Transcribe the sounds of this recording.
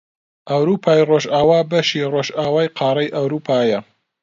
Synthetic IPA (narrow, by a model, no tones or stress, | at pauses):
ʔɐwɾuːpʰaːjroːʒʔaːwaːbɐʃiːroːʒʔaːwaːjqʰɑːɾˤɐjʔɐwɾuːpʰaːjɐ